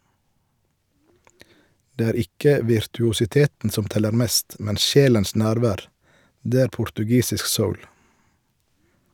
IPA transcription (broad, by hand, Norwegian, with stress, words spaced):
ˈdeː ˈæːɾ ˈɪkə ʋɪɾtʉʊsɪˈteːtn̩ ˈsɔm ˈtɛləɾ ˈmeːst ˈmɛn ˈʃeːləns ˈnæːɾˌʋæːʁ ˈdeː ˈæːɾ pʊɾtʉˈɡiːsɪsk ˈsəʊl